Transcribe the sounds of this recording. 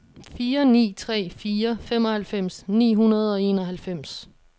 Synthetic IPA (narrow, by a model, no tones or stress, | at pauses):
fiːɐnḭːt͡sʰʁɛ̰ːfiːɐfemɒ̽hælfem̰snḭːɦunɐð̞ˠɒ̽e̝̰ːnɒ̽ɦælfem̰s